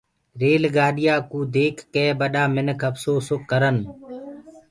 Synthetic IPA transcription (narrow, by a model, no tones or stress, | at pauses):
ɾeːlɡaːɗɪjaːkuːd̪eːkʰːeːbəɗaːmɪnəkʰəpsoːsʊkːəɾən